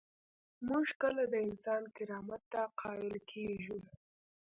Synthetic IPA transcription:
muʒkəlad̪əɪnsɑnkɪɾɑmat̪ːaqʰɑɪlkʰeʒu

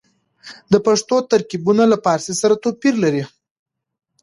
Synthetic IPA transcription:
d̪əpaʂt̪ot̪aɾkibunalapɑɾsesaɾat̪opiɾlaɾi

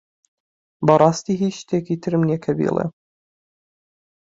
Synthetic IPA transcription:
bɐrˤɑːst̪iːɦiːʃt̪ʰeːkʰit̪ʰɨɾmnekʰɐbḭlˠḛ

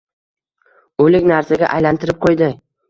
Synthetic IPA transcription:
olɪkʲnaɾsaɡʲa̰ʔajlant̪ʰɪɾɪp̚qʰojd̪ɪ

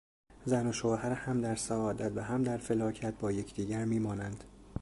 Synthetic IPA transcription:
zæno̞ʃohæɾhæmd̪æɾsæɒːd̪æt̪væɦæmd̪æɾfe̞lɒːcʰæt̪̚bɒːje̞cʰd̪iːɟæɾmiːmɒːnænd̪̥

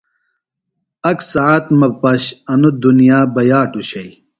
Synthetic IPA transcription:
ɐksɐaːt̪mɐpɐɕɐnud̪unijaːbɐjaːʈuɕɐj

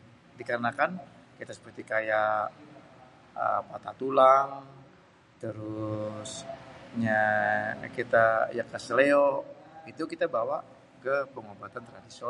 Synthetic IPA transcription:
dikaɾənakankit̪asə̥pərt̪ikajaʔ | ə̰pat̪at̪ulaŋ | t̪əɾʊsɲa | kit̪ajakasəleoit̪ukit̪abawa | kəpəŋobat̪ant̪əɾadiso

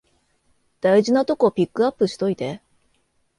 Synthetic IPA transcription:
d̪̥aiʑinat̪o̞ko̞pʲikːɯ̟apːɯ̟ɕi̥t̪o̞it̪e̞

